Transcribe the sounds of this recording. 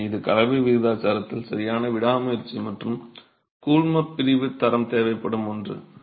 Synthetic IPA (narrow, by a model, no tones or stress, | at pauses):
ɪðɯkɐlɐʋiʋɪɣɯðaːt͡ʃaːɾɐt̪ːɪlsɐɾɪjaːnɐʋɪɽaːmɐjɪɾt͡ʃːimɐʈrɯm | kuːɭmɐpːɪɾɪʋɯt̪ːɐɾɐmt̪eːʋɐɪpːɐɽɯmɔndrɯ̰